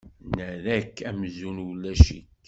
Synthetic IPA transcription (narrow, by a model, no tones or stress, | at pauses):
nəɾækːæmzunwəlːæʃḭk